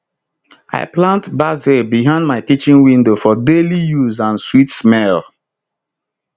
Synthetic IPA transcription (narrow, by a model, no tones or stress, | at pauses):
a̰ɪplãntbazebiɦãɪ̃nd̚maɪtit͡ʃĩŋwĩndofɔdelijuzãnswitsmɛl